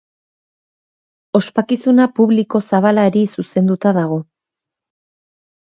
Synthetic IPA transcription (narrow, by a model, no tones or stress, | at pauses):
o̞spakisunapuβliko̞saβ̞alaɾisuse̞nd̪ut̪aðaɣ̞o̞